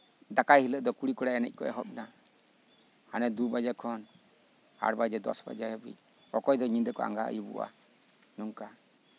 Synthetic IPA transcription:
d̪akajhiləʔd̪ɔkuɽikɔɽajɛnɛ̰c̚ˀkɔʔɛ̰ɦɔp̚na | hanɛd̪ubad͡ʒakʰɔn | ha̰ɽbad͡ʒɛd̪ɔ̰sba̰d͡ʒabḭ | ɔkɔjd̪ɔɲid̪ɛkɔa̰ŋɡaʔa̰jubṵʔa̰ | nuŋka

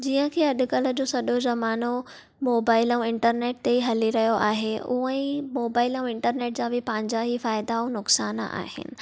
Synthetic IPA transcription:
d͡ʑiːə̃kʰeːɐɗʊ̆kələ̆d͡ʑoːsɐɗozɐmaːno | moːbaːɪlə̃ũɪ̃ɳʈəɾneːʈ̚t̪eɦɐliɾɐɦijoʔa̰ːɦeʊ̰ə̃ĩmoːbaːɪlə̃ũɪ̃ɳʈəɾneːʈ̚d͡ʑaːbɪpɐ̃ɦɪ̃ɲd͡ʑaɦifaːɪd̪aũnʊksaːn̰a̰ːhɪ̰nɪ̰̆

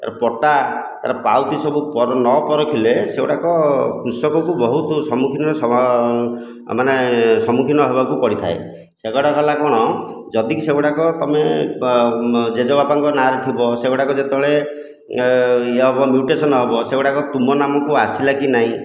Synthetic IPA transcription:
t̪a̰ɾɔpɔʈat̪a̰ɾɔpa̰wt̪isɔbupɔɾɔnɔpɔɾɔkʰileseoʈakɔkɾusɔkɔkubɔɦut̪ɔsɔmukʰinɔɾs | manesɔmukʰinɔɦebakupɔɽit̪ʰae | seɡɔɽakɔlakɔɽ̃ɔd͡ʒɔd̪ikiseɡɔɽakɔt̪ɔme | d͡ʒed͡ʒɔbapaŋkɔnaɾet̪ʰibɔseɡɔʈakɔd͡ʒet̪ebɔɭe | eɔbɔmjuʈesɔnɔɦebɔseoɽakɔt̪umɔnamɔkuasilakinaɦĩ

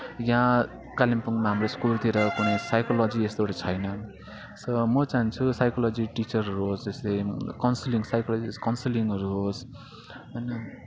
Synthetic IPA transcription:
jã | kalimpuŋmaɦamɾoiskult̪iɾʌkunʌsajkʌlʌd͡ziest̪oʈit͡sʰʌjnʌ | sʌmʌt͡saɦnt͡sʰusajkʌlʌd͡ziʈit͡sʌɾɦʌɾuɦosd͡zest̪ejkʌnsiliŋsajkʌlʌiskʌnsiliŋɡʌɾuɦos | ʌnʌ

